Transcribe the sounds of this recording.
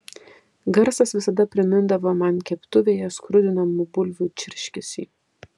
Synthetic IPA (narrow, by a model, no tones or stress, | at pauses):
ɡɐɾsɐsʋʲɪsɐd̪ɐpʲɾʲɪmʲɪnd̪ɐʋoːmɑnkʲɛpt̪ʊʋʲeːjɛskɾʊd̪ʲɪnɐmʊbʊlʲʋʲuːt͡ʃʲɪɾʲʃʲkʲɪsʲḭː